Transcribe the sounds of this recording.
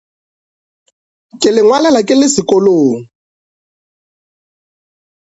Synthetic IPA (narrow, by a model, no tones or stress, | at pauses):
kʼɪlɪŋwalalakʼɪlɪsɪkʼɔloːŋ̩